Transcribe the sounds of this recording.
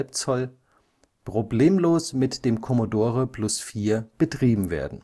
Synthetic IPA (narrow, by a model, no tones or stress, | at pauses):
lp̚t͡sɔl | pʁ̥obleːmloːsmɪtd̥eːmkʰɔmodoːʁəplʊsfiːɐb̥ətʁ̥iːbm̩vḛːɐdn̩